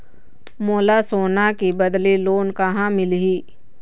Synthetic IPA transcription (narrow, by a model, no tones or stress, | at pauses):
moːlasoːnakibəd̪liloːnkaɦãmɪlɦiː